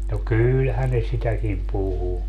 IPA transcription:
no kylhæn ne sitækim puhu

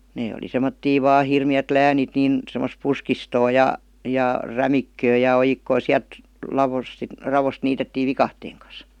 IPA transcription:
neː oli semˑotːiː ʋɑː hirmiæt læːnit niˑn semos puskistoː jɑ jɑ ræmikːøː jɑ ojikːoː siælt lɑʋos si rɑʋost niːtetːiː ʋikɑhteːŋ kɑs

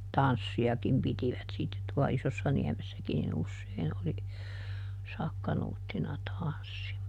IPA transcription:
tɑnsːiɑkim pitiʋæt sitːet tuɑ isosːɑniæmesːækin nin usːein oli sɑkːɑnuːtːinɑ tɑnsːi

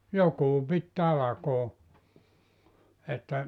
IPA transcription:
jokuː pit tɑlɑkoː etːæ

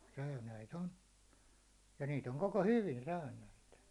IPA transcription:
sæynæit on jɑ niːt oŋ koko hyʋin sæynæit

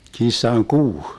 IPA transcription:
kisːɑŋ kuː

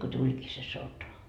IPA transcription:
ko tulʲkiː se sotɑ

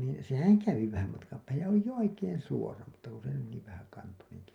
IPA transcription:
niː sehæŋ kæʋi ʋæhæm mɑtkɑm pæːhæj jɑ oli jo oikeːn̞ suorɑ mutːɑ ku se oli niːʋ ʋæhækɑntoneŋki

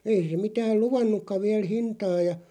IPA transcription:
ei se mitæːl̆ luʋɑnːukːɑʋ̆ ʋiæl hintɑː jɑ

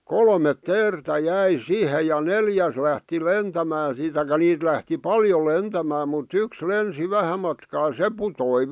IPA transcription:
kolmet teːrtæ jæi sihe jɑ neljæs læhti lentæmæː siːt tɑikɑ̆ niːt læhti pɑljo lentæmæː mutː yks lensi ʋæhæ mɑtkɑː se putoi

